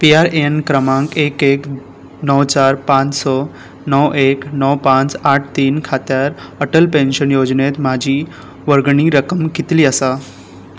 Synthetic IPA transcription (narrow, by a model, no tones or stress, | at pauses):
piaɾeənkɾəmãŋkekek | nəwt͡ɕaɾpãt͡ssɔ | nəwʔeknəwpãt͡saʈʰt̪iːnkʰat̪jaɾəʈəlpẽnɕənjod͡ʑnet̪mad͡ʑʱiː | ʋəɾɡɳ̃iɾəkəmkit̪liːəsa